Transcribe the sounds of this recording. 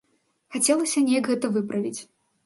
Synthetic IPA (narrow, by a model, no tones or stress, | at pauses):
xat͡sʲɛlˠɐsʲɐnʲejɐkɣɛt̪ɐvɨpɾɐvʲit͡sʲ